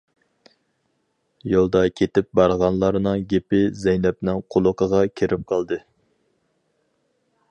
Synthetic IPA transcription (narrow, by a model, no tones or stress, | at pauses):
jolˠd̪ɑkʲʰet̪ɪp̚bɑɾʁɑnlˠɑɾnɨŋɡʲepɪzɛjnɛp̚nɪŋqʰolˠʊqʰəʁɑkʲʰeɾʔɪp̚qʰɑlˠd̪ɨ